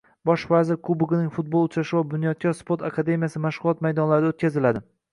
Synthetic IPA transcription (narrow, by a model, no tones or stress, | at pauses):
bɒʃvazɪɾkʰubʊɡnɪŋʲfʊt̪̚bolˠʊt͡ʃɾaʃɪvabʊnjɒt̪̚kʰʲaspo̞ɾt̪ʰakʰad̪e̞mʲijasɪmaʃʁʊlˠɒt̪majd̪ɒnlaɾɪd̪aot̪̚ʲkʲazɪlad̪ɪ